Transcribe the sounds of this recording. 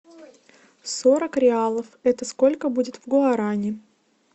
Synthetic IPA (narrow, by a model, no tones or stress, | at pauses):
soɾəkɾʲɪalˠəfɛt̪əsko̞lʲkəbudʲɪt̪vɡʊɐɾanʲɪ